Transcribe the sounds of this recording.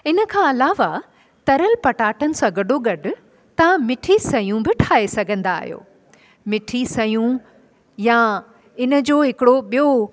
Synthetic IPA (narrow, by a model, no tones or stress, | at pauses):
ɪnə̆kʰãːɐlaːʋa | t̪ɐɾəlpɐʈaːʈənɪ̆sãɡɐɖoɡɐɖʱʊ̆ | t̪ɐʋãmɪʈʰisɐjũbɪʈʰaːesɐɡʱə̃nd̪a̰ːɦijo̰ː | mɪʈʰisɐjũ | ja | ɪnə̆d͡ʑoːɦɪkɪɽoɓijo